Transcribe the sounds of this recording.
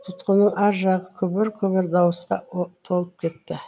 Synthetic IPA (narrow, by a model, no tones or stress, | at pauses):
t̪ʰʊt̪qənəɴɑɾʒɑʁəkʲʰɵbɪɾkʲʰɵβɪɾd̪ɑwəsqɑt̪ʰo̞lˠəp̚kʲʰe̞t̪ːɪ